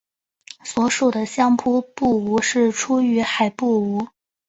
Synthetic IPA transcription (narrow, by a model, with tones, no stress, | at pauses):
swɔ˧˥ʂu˨˩d̪ə˩ɕjɑ˥ŋpʰu˥pu˥˩u˧˥ʂɻ̩˥˩ʈ͡ʂʰu˥y˧˥xa˨˩ɪpu˥˩u˧˥